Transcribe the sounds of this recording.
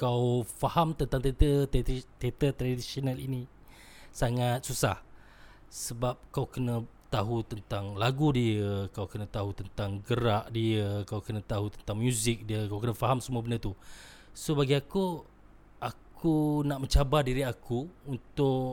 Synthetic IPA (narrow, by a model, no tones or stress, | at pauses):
kawfahamt̪ənt̪aŋt̪et̪ət̪et̪ət̪ɾadisionalḭni | saŋat̪̚susa̰h | səbap̚kawkənə̃t̪aɦut̪ənt̪aŋlaɡudiəkawkənə̃t̪aɦut̪ənt̪aŋɡəɾaʔdiəkawkənə̃t̪aɦut̪ənt̪aŋmjuzɪk̚diəkawkənəfaɦamsəmuəbəndət̪u | sobaɡiaku | ʔakunaʔmə̃ɲt͡ʃabardiɾiakuunt̪ʊ